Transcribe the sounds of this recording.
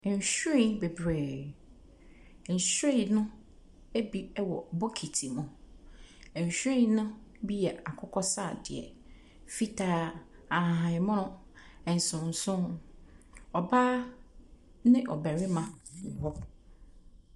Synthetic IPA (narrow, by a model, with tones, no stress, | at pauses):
n̩˨ɕᶣĩ˨be˨bɾeː˨ | n̩˨ɕɾe˦i˨nʊ̃˦ | e˦bi˦wɔ˨bɔ˦kʰi˨tʰi˨mʊ̃˨ | n̩˨ɕᶣĩ˦˨nʊ̃˦bi˦jɛ˨a˨kʰʊ˦kʰɔ˦saː˦˨dɪ̰˨ɛ̰˨ | fi˦tʰaː˦ã˨ɦã˨ɪ̃˨mʊ̃˦nʊ̃˦ | ɛ˨n̩˨sʊ̃˨n̩˨sʊ̃˦ | ɔ˨ba˦ | nɪ̃˦ʔɔ˨bæ˨ɾɪ˦mã˨hɔ˦